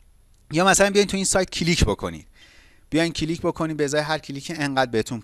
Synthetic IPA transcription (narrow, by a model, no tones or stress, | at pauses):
jɒːmæsælænmbijɒjnt̪ʰuiːnsɒːjt̪̚cʰiliːcʰbo̞kʰo̞̰nḭːd̪̥ | b̥ijɒːjn̥̚cʰiliːcbo̞kʰo̞niːbezɒːjeɦæɾcʰilicʰeeŋɢæːd̪̚behet̪ʰun